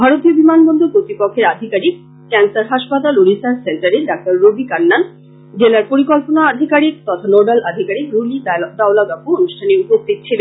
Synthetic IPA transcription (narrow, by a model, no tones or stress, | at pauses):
bʱaɾot̪iobimanbɔnd̪opɾot̪ɾipokʰːeɾad̪ʱikaɾik̚ | kɛnsaɾɦaʃpat̪aluɽisaɾseɳʈaɾeɖak̚ʈ̪aɾːobʱikanːan | d͡ʑelaɾpoɾikɔlponaːd̪ʱikaɾik̚t̪ɔt̪ʰanoɖalad̪ʱikaɾikɾulidad̪awlaɡapuonuʃʈʰaneupost̪ʰit̪̚t͡ɕʰilen